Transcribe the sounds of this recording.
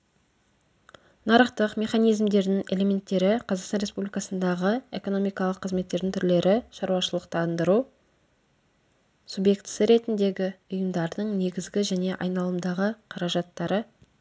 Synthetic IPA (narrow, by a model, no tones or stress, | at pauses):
nɑɾəqt̪əqmʲe̞χɑnijzmd̪e̞ɾd̪ɪŋe̞lʲe̞mʲe̞nt̪ːe̞ɾɪqʰɑzɑqsɑnɾʲespublʲijkɑsənd̪ɑʁəe̞̰ko̞no̞mijkɑlˠəqʰːəzme̞t̪ːe̞ɾd̪ɪŋt̪ʰʏɾle̞ɾʔɪʃɑɾuwɑʃəlˠəqt̪ɑnd̪əɾu | subje̞kt̪səɾe̞t̪ɪnd̪e̞ɡʲɪʊjəmd̪ɑɾd̪əɴne̞ɡʲɪzɡʲɪʒæne̞ʔɑ̰jnɑlˠəmd̪ɑʁəqʰɑɾɑʒɑt̪ːɑɾə